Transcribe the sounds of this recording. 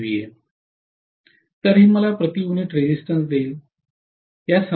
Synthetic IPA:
ʋije | t̪əɾɦiːməlapɾət̪iuniʈɾed͡ʑisʈənsd̪eːl | ɦjasə

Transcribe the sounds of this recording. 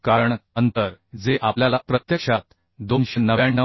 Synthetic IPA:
kaɾəɳənt̪əɾd͡zeʔapljalapɾət̪jəkʂat̪ | d̪onɕənəʋaɳːə

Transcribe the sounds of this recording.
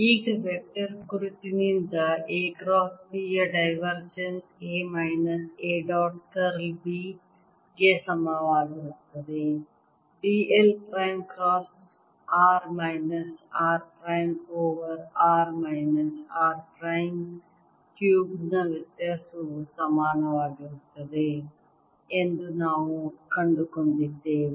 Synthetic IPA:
iːkʋek̚ʈɐɾkuɾut̪ːinind̪ɐeːkɾɔːsʋiɐɖɐjʋɐɾd͡ʒɐnseːmajnɐseːɖɔːʈkɐɾlbiː | kesɐmaʋaːɡiɾɐt̪ːɐd̪e | biːelpɾajmkɾɔːs | aːɾmaːɪnɐsaːɾpɾaːjmoːʋəɾaːɾmaːɪnɐsaːɾpɾaːɪm | kjuːbnɐʋɪt̪ɐsusɐmaːnɐʋaːɡiɦʊt̪ːɐd̪eː | ẽnd̪unaːʋũkɐ̃ɳɖukɐnd̪ɪt̪eː

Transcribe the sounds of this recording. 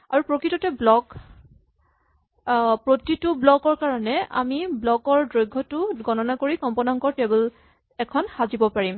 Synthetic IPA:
aɹupɹokɹitɔtɛblɔk | pɹotitʊblɔkɔɹkaɹɔnɛa̰miblɔkɔɹdɹojɡʱːɔtʊɡɔnɔnakoɹikɔmpɔnaŋkɔɹtebl | ɛkʰɔnxazibɔpaɹim

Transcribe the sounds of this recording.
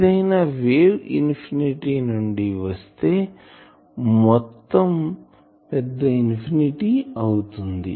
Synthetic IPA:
d̪ɐjnɐʋeːwḭnpʰiniʈiːnuɳɖiʋɐst̪e̞ː | mɔt̪ːɐm | pɛd̪ːɐinpʰiniʈiɐwut̪und̪ḭ

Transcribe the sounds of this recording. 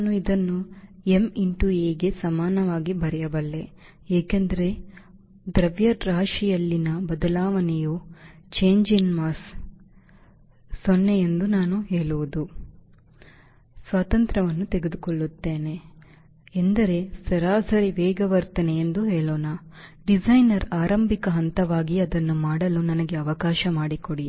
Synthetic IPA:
aːnuid̪ɐnːuemiɳʈueːɡe̞sɐmaːnɐʋaːɡibɐɾɛjɐbɐlːe̞ | eːkend̪ɐɾe̞ | d̪ɾɐʋjɐɾɾaːʂijɐlːinɐbɐd̪ɐlaːʋɐnɛjoːt͡ʃe̞ːɲd͡ʒinmaːs | sonːejend̪unaːnuɦeːɭuʋud̪u | sʋaːt̪ɐnt̪ɾɐʋɐnːut̪eɡed̪ukoɭːut̪ːe̞ːne̞ː | nd̪ɐɾe̞sɐɾaːsɐɾiʋɛːɡɐʋɐɾt̪ɐneend̪uɦeːɭoːnaɖid͡ʒɐjnɐɾaːɾɐmbʱikɐɦɐnt̪ɐʋaːɡiɐd̪ɐnːumaːɽɐlunɐnɐɡe̞ɐʋɐkaːʃɐmaːɽikoɽi

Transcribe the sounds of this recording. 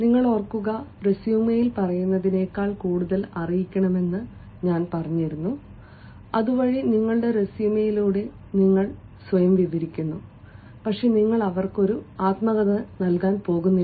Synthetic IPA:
niŋːɐɭorkːuɣɐresjumɐjilpɐrɐjunːɐðine̞ːkːaːɭkuːɽuðɐlɐrijikʲːɐɳɐme̞nːɨ | ɲaːnpɐrɐɲːiɾunːu | ɐðuʋɐɻiniŋːɐɭɽe̞ɾesiːmɐjiluːɽe̞ | niŋːɐɭ | sʋɐjɐmʋiʋɐɾikʲːunːu | pɐkʂe̞niŋːɐɭɐʋɐrko̞ɾuaːt̪mɐɣɐðɐnɐlkaːnpo̞ːɣunːi

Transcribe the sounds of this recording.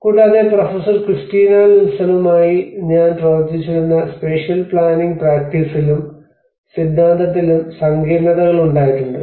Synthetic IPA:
kuːɽaːðeprofɐsɐrkrɨsʈiːnalilsɐlumaːjiɲaːnprɐʋɐrd͡ʑit͡ɕːuɽunːɐspeʂjɐlpɭaːniŋɡ̚praːk̚ʈisilum | sid̪ʱːaːnt̪ʰɐt̪̬ːilumsɐŋɡʱiːɾɳɐðɐɣɐɭuɳɖaːjitːuɳɖɨ

